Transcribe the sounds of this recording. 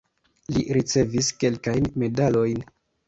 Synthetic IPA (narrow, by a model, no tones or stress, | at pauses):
liɾit͡se̞viske̞lkajnme̞dalo̞jn